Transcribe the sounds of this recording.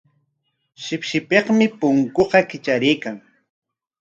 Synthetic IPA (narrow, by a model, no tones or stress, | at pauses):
ʃɪpʃɪpeqmɪpʊŋkoqɑkɪt͡ʃaɾɪjkaŋ